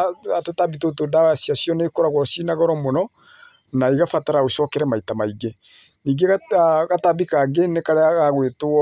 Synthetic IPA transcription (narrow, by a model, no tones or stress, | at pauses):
atotabitotodawasiasiɔnekoɾaɣwɔsinaɣɔɾɔmɔnɔ | naiɣafataɾaoʃɔkɛɾɛmaitamaiɡe | niːŋɡeɣatabikaɡenekaɾeaɣaɣwetoɔ